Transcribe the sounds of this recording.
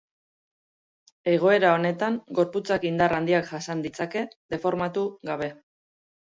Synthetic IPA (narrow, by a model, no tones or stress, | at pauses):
e̞ɣ̞o̞e̞ɾao̞ne̞t̪aŋɡo̞ɾput͡sakind̪arand̪iakʝasand̪it͡sake̞ðe̞fo̞ɾmat̪uɣaβ̞e̞